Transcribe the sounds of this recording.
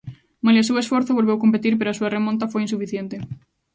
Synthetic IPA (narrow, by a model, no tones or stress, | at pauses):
maljɐsewesfoɾθoβ̞olβewkomp̬et̪iɾpeɾoasuɐremõnt̪̬ɐfojinsufiθjent̪e